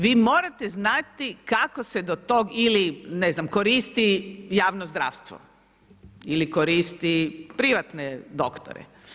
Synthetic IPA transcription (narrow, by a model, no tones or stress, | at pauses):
ʋiːmo̞ːɾat̪eznat̪ikakosed̪ot̪oɡilineznamkoɾiːst̪ijaːʋnozd̪ɾa̰ːʋst̪ʋo̰ | ilikoɾiːst̪ipɾiʋat̪ned̪okt̪o̰ɾḛ